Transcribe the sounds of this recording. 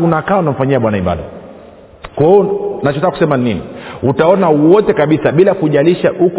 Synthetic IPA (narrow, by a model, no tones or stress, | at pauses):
unakaunam̩faɲiaɓwanaiɓa̰ɗa | kaɔnat͡ʃɔtakakusɛmaniniutaɔnawɔtɛkaɓisaɓilakuʄaliʃaʔuk